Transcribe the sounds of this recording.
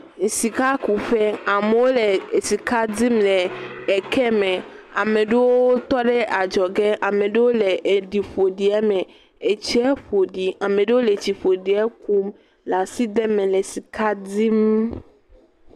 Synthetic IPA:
ŋ̩˨si˨ka˦ku˨ɸɛ˦a˨me˨wo˦le˨si˨ka˦di˦mlɛ˨ɛ˨kɛ˦mɛ̃˨a˨mẽ˨ɖe˦wo˦wo˦t̪ɔ˦ɖe˦ʔa˨d͡ʒɔ˨ɡɛ˦ʔa˨mẽ˨ɖe˦wo˦le˨ʔe˨ɖi˨ɸo˨ɖi˨ɛ˦mɛ̃˨ | e˨t͡ɕi˦ɛ˦ɸo˨ɖi˨a˨mẽ˨ɖe˦wo˦le˨t͡ɕi˨ɸo˨ɖi˨ɛ˦ku˦m | la˨si˦d̪e˦mɛ̃˨le˨si˨ka˦di˦m˦

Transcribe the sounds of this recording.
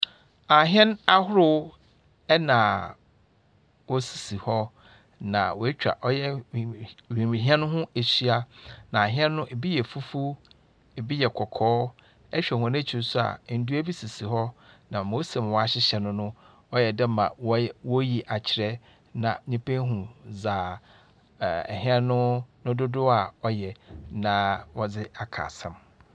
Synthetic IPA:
a˨ɦɛ̃˦na˦hʊ˦ɾʊ˦ | ɛ˦nã˨ | wɔ˦si̥˨si˨hɔ˦ | nã̰˨wɔ˨e˦t͡ɕᶣa̰˨ʔɔ˦jɛ˦˨ | wĩ˨ĩ˨ɦi˦ɛ̃˦nʊ̃˦ɦʊ̃˦e˨si˦a˦nã˨a˨ɦɪ̃˦ɛ̃˦nːʊ̃˦ʔe˨bi˦jɛ˨fu˦fu˦ | e˨bi˦jɛ˨kʰɔ˨kʰɔː˦ | ɛ˦ɕᶣɛ˨hʊ̃˨n˦ɛ̃˦t͡ɕʰɪ˨˦sʊ˦a̰˨n̩˦du˦æ˦bi˦si˨si˨ɦɔ˦nã˨mo˦se˨m˨wɔ˨˦a˨ɕɪ˦ɕɛ˨nʊ̃˦nʊ̃˦ | ɔ˦jɛ˨dɛ˦mã˨wwɔ˦ji˨ʔa˨t͡ɕʰɪ˨ɾɛ˦ | nã˨ɲĩ˦pʰẽ˦ɦũ˨zaː˨ | ɛ˨ɦɪ̃˦ɛ˦nʊ̃˦nʊ̃˦dʊ˦dʊ˦a˨ɔ˦jɛ˨nã˨wɔ˨d͡zɪ˦a˨kʰa̰ː˨sɛ̃˨m

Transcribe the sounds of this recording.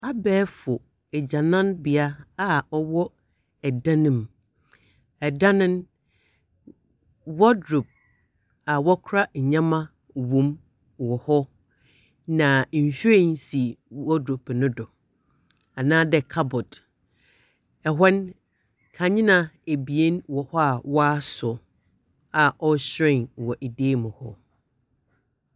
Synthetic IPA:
a˦bɛː˦fʊ˨ | ɛ˨d͡ʑã˨nã˦nbi˨a˦a˨ɔ˦wɔ˦ | ɛ˨dã˦nɪ̃˨m | ɛ˨dã˦nɪ̃˦n | wɔ˦dɾu˨p̚ | a˨wɔ˦kʰʊ˦ɾa˦ɲ˨ɲã˦mã˦ | wõ˨m˨ | wɔ˨hɔ˦ | nã˨ɲ̩˨ɕᶣe˦n˦si˨wɔ˦dɾu˨pnʊ̃˦dɔ˨ | a˨nãː˦dɛ˨kʰa˦bʊ˨d | ɛ˨ɦɛ˦n | kʰã˨ɲɪ̃˦nã˨e˨bi˨e˦nwɔ˨hɔ˦a˨wɔ˦a˦sʊ˨ | a˨ʔɔ˦ɕɾɪ̃˦˨ŋ˨wɔ˨ʔe˨deː˦˨mʊ̃˨hɔ˦

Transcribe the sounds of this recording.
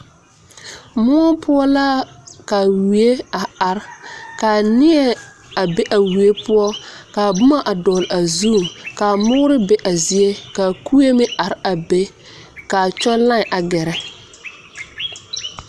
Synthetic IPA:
mʊ˦ɔ˦pʰʊ˦ɔ˦la˦ka˨wi˨e˦a˨a˨ɾkaː˨nɪ˦ɛ˦ | a˨be˦ʔa˨wi˨e˦pʰʊ˦ɔ˦kaː˨bʊ˦ma˦ʔa˨dɔː˨la˨zu˦˨ka˨mʊː˦ɾɪ˦bɛ˦ʔa˨zi˨e˦ka˨ku˦e˦mɪ˦ʔa˨ɾɪ˦a˨be˦ | ka˨t͡ʃɔ˦lã˦˨ʔa˨ɡɛ˨ɾɛ˦

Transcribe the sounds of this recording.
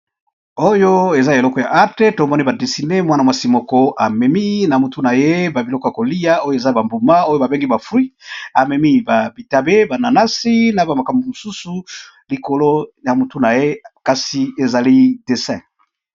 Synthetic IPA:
o˦jo˦e˨za˦e˨lɔ˦kɔ˨ja̰˨ʔa˦te˦to˨mɔ˦ni˦ba˨de˨si˨ne˦mwa˦na˨mwa˨si˦mɔ˨kɔ˦ʔa˨mɛ˨mi˦na˨mu˨tu˦na˨je˦ba˨bi˨lɔ˦kɔ˦ja˨ko˨li˦ja˦o˦jo˦e˨za˦ba˨mbu˨ma˦o˦jo˦ba˨be˦ŋɡi˦ba˨fwi˦a˨mɛ˨mi˦ba˨bi˨ta˨be˦ba˨na˨na˦si˦na˨ba˨ma˨ka˨mbo˨mo˨su˦su˨ | li˨ko˨lo˦ja˨mu˨tu˦na˨je˦ka˨si˨e˨za˨li˦de˨sɛ̃˨

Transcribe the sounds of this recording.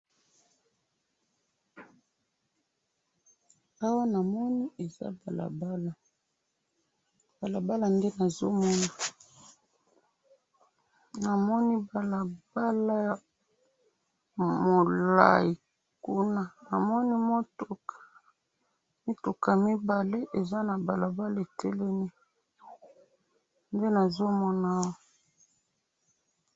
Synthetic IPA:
a˦wa˦na˨mɔ˦ni˦ʔe˨za̰˦ba˨la̰˨ba˦la˨ | b̥a˨la˨ba˦la˨nde˦na˨zo˦mɔ˦na˨ | na˨mɔ˦ni˦ba˨la˨ba˦la˦j | mo˨la̰˦˨ji˨ | ku˦na˦na˨mɔ˦ni˦mo˦to˨ka˨ | mi˦tu˨ka˨mi˦ba˨le˦ʔe˨za˦na˨ba˨la˨ba˦la˨e˨tɛ˦lɛ˦ni˦ | nde˦na˨zo˦mɔ˦na˦wo˨

